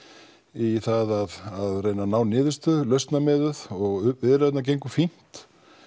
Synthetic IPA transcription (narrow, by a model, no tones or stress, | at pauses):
iθaðaðaðreːjnanaːwnɪːðɪst̪ʏðlœɥst̪namɛːðʏðɔɣʏvɪðɾɛt̪nac̬ejŋkʏfin̥t̪